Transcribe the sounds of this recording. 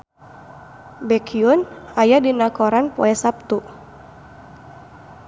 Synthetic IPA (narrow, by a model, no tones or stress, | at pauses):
bɛkʰiʊnajadinakɔɾanpɔ̰ɛsap̚t̪u